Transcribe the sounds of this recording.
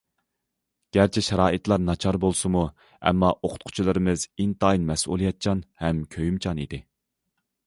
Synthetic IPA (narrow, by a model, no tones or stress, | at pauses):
ɡ̥ʲæɾt͡ʃʰɛʃɛɾɑːʔɨt̪lˠɑɾnɑt͡ʃʰɑɾbolˠsɨmu | ɛ̰mːɑʔoqʰʊ̥t̪̚qʰʊ̥t͡ʃʰilˠɨɾɨmɨzint̪ɑjnmɛsʔṵlˠijɑt̪̚t͡ʃʰɑnhɛmkʲʰøjymt͡ʃʰɑnḭd̪ɪ